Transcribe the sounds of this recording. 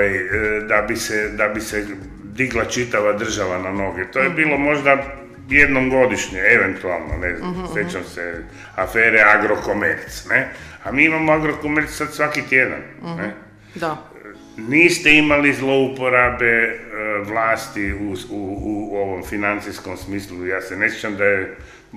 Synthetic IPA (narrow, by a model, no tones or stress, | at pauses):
jd̪abised̪abise | d̪iɡlˠat͡ʃit̪aʋad̪r̩ʒaʋanano̞ɡɛt̪ojebiːlˠo̞mo̞ʒd̪a | jed̪nomɡo̞d̪iʃɲeeʋent̪ua̰lˠno̰nezna̰msjet͡ʃamse | afeːɾeaɡɾo̞komḛɾt̪sneamiːimamoaɡɾokomeɾt̪ssad̪sʋakit̪jed̪a̰nne | da | niːst̪eimalizlˠo̞upo̞ɾabe̞ʋlˠaːst̪iuuuoʋomfinant̪sisko̞msmiːslujaːsene̞sjet͡ʃamd̪aje